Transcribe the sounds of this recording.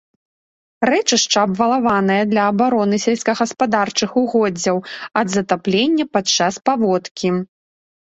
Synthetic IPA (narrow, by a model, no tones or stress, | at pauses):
rɛt͡ʂɨʂt͡ʂɐːbvɐlˠavanɐjɐd̪lʲɐːbaɾɔnɨsʲɛlʲsʲkɐɣɐspad̪art͡ʂɨxuɣɔd͡zʲːɐwɐd̪zɐt̪aplʲenʲːɐpat͡ʂːaspavɔt̪kʲi